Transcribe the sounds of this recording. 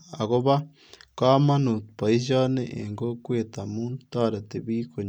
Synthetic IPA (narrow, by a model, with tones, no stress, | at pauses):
a˨ɣo˦βa˦ | ka˦mã˦nũ˨t̪pa˨i˦ʒa˦nẽ˦ʔḛ˨ŋɡo˦kʷe˦t̪a˨mũ˦nt̪a˦ɾa˨t̪e˨bi˦ko˨ɲ